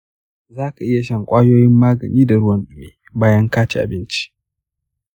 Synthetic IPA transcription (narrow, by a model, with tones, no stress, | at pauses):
zaː˦ka˨ʔɪ˦ja˨ʃɐ˦ŋkʷʼaː˦joː˦jɪ˦mːaː˦ɡɐ˨niː˦da˨ɽʊ˦wɐ˦nɗɪ˦meː˨ | baː˦jɐ˦ŋkaː˦t͡ʃe˦˨ʔa̰˨bɪ˦nt͡ʃi̥˦